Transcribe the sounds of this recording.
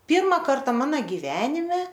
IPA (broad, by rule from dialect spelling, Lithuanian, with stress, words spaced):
ˈpʲiːrmɐ ˈkɐrtɐ ˈmɑːnɐ ɡʲɪˈʋʲæːnʲɪmʲɛ